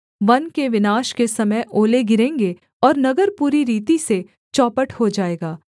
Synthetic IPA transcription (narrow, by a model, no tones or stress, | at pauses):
ʋɐnkeʋɪnaːʃkesɐməjʔoːleɡɪɾẽːŋɡe | ɔːɾnɐɡəɾpuːɾiɾiːt̪ise | t͡ʃɔːpəʈhod͡ʒaːeːɡaː